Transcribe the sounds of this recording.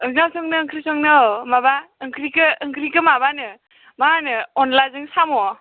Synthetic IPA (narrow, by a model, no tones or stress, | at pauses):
ɯŋasɔŋnɯːŋkʰɾisɔŋnɯmabaɯŋkʰɾikɯːŋkʰɾikɯmabanɯ | manɯɔnlazɯŋsamɔ